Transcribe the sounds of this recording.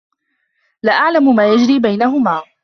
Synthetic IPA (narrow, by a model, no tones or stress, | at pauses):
laʔaʕlamʊmaːjad͡ʒɾiːbajnaɦʊmaː